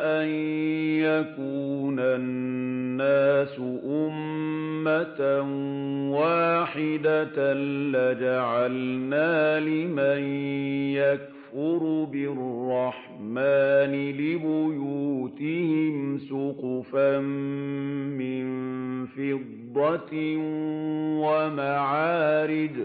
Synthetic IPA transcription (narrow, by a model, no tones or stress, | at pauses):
ʔanjakuːnanːaːsʊʔʊmːanwaːħɪd̪alad͡ʒaʕalnaːlɪmanjak̚ | fʊɾbɪrːɑħ | maːnɪlɪbʊjuːt̪ɪhɪmsʊqfam | mɪnfɪd̪ˤːɑt̪ | wamaʕaːɾɪd̪